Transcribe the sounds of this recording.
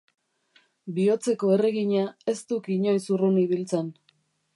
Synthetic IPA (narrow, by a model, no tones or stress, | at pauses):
bio̞t͡se̞ko̞e̞reɣiɲae̞st̪ukiɲo̞jsuruniβ̞ilt͡sen